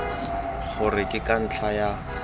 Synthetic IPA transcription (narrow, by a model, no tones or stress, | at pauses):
χʊrɪkʼɪkʼan̩t͡ɬʰaja